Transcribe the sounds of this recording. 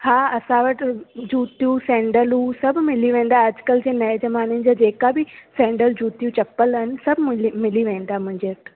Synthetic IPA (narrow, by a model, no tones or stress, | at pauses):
haːɐsãʋɐʈɪd͡ʑuːt̪ijũsɛ̃ːɳɖəlusɐbʱmɪliʋẽːn̆d̪aɐd͡ʑkəld͡ʑẽːnɐed͡ʑɐmaːnɪnɪ̆d͡ʑaːd͡ʑeːkabɪsɛ̃ːɳɖəld͡ʑuːt̪ijũt͡ɕɐpəlɦɪnɪ̆sɐbʱmɪliʋẽːn̆d̪amʊ̃ɦɪ̃ɲd͡ʑeʈ